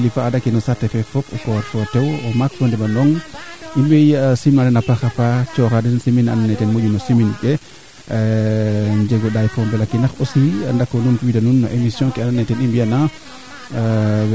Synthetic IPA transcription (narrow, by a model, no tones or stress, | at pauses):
lifaːdakːinɔsatɛfɛfɔpɔkɔɾfɔtɛwɔmakfɔndɛɓanɔŋimbɛjsimnadɛnapaxafat͡ʃɔxadɛnsimina̰nanːajtɛnmoɟunɔsiminkɛ | ɲd͡ʒeɡɔɗajkɔmbɛlakinaxosindakːɔnuntuwitanunːɔʔemisjɔ̃kɛananːajtɛnimbijana | w